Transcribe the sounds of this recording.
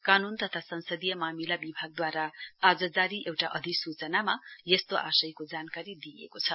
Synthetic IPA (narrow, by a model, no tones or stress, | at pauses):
kanunt̪ʌt̪ʰasʌnsʌd̪ijʌmamilabibʱaɡ̚d̪waɾaːd͡zʌd͡zaɾiʔewʈaʔʌd̪ʱiksut͡sʌnamajest̪oʔasʌjkod͡zankaɾid̪ijḛkot͡sʰʌ